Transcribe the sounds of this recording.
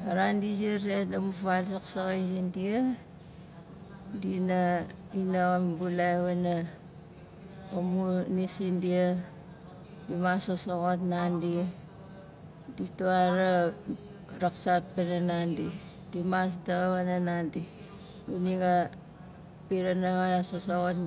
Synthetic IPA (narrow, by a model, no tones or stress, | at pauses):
aɾandid͡ʒiɾedamufalsaksaɣazindia | dinainambulaβana | amunisindia | dimasosoɣotnandi | dituaɾa | ɾaksat̚pananandi | dimas̬daβananandi | uniɡa | piɾanaŋaasosoɣot